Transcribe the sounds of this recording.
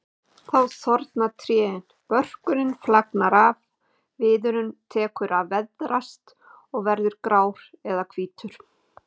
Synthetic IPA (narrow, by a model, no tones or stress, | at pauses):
θawsɔɾt̪nat̪ʰɾjɛːɪn | pœr̥kʏɾɪnflaknaɾav | vɪːðʏɾʏmt̪ʰɛːkʏɾavɛðɾast̪ | ɔɣvɛɾðʏɾkɾaːwɾ̥ɛðakʰv̥iːt̪ʏɾ̥